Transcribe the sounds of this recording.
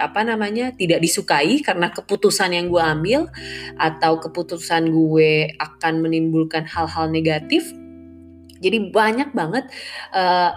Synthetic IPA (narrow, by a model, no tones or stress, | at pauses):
apanamaɲat̪idak̚disukaikaɾənakəput̪usanjaŋɡueambɪlʔat̪awkəput̪usanɡueakanmənimbulkanhalɦalneɡat̪ɪf | d͡ʒadibaɲak̚baŋət̪̚ʔəː